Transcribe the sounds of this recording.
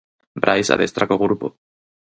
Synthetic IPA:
bɾʔajsa̰ðest̪ɾakoɣɾupo

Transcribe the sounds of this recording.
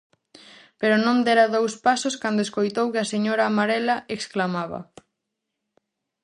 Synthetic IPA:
peɾʊnõnd̪ɛɾɐðowspasoskand̪oeskojt̪owkɪɐseɲoɾaːmaɾɛlɐeksklamaβ̞ɐ̰

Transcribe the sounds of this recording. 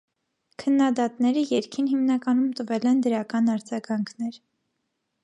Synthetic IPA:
kʰənːɑd̪ɑt̪nɛɾəjɛɾkʰinɦimnɑkɑnumt̪əvɛlɛnd̪əɾɑkɑnɑɾd͡zɑɡɑŋkʰnɛɾ

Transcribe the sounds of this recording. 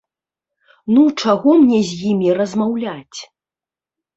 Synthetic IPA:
nut͡ʂaɣɔmnʲɛzʲjimʲiɾɐzmawlʲat͡sʲ

